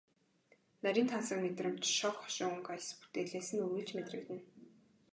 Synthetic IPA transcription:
næɾʲiːnt̪ʰansə̆kmet̪rə̆m̥t͡ɕʃɔkχɔ̥ʃɪŋuŋkajspu̥t̪eːɮeːsɘ̆nuɣɘ̆ɬt͡ɕmet̪rɘ̆kt̪ɘ̆n

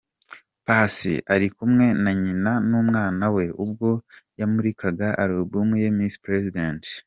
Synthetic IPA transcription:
pasḭʔaɾikumŋe̞naɲinanuːmŋaːnawe̞ubɡo̞jamuɾikaɡaʔaɾobɡumŋejemispɾezident

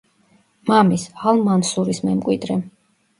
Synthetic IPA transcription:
mamisalˠmansuɾismɛmkʼwid̪ɾɛ

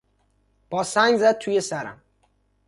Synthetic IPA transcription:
b̥ɒsaɲzat̪ʰujesaɾa̰m

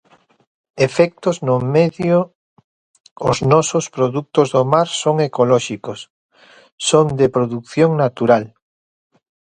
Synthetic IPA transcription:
efɛk̚t̪oznomeðjo | oznɔsospɾoðuk̚t̪ozðomaɾsoŋekolɔʃikosː | ond̪epɾoðukθjoŋnat̪uɾal

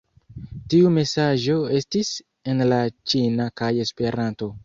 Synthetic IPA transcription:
tiume̞saʒo̞e̞stis | e̞nlat͡ʃinakaje̞spe̞ɾanto̞

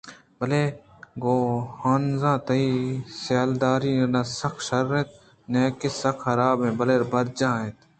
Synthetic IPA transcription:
bəleː | ɡoːhaːnzãːt̪ɐiːsjaːld̪aːɾiːnɪnãːsɐkʰʃɐɾːẽt̪̚ | neːkɪsɐkʰhɐɾaːbẽːbɐleːɾbɐɾ̚d͡ʒãːẽt̪

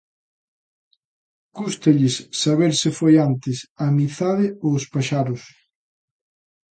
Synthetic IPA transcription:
kust̪eʎɪsːaβeɾsɪfojant̪ɪsamiθaðɪospaʃaɾʊs

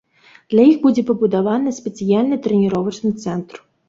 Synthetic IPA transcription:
d̪̥lʲɐjixbud͡zʲɛpɐbud̪avanɨsʲpʲɛt̪sɨjalʲnɨt̪ɾɛnʲiɾɔvɐt͡ʂnɨt̪sɛnt̪ɾ

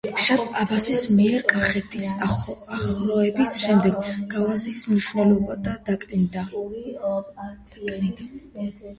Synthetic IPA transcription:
ʃapʰʼabasismiɛɾkʼaχɛt̪ʰisaaχɾɔɛbisʃɛmd̪ɛɡɡalˠazismniʃvnɛlˠɔbad̪ad̪akʼnid̪a | kʼnid̪a

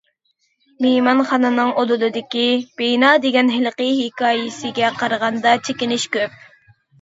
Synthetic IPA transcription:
memɑnχɑnɨnɨŋʔod̪od̪ɨd̪ɪkʲib̥ejnɑːd̪eɡʲɛnɦɪlˠqəɦikɑːjɪsɪɡʲɛqʰɑɾəʁɑnd̪ɑt͡ʃʰekʲinɪʃkʲøp̚

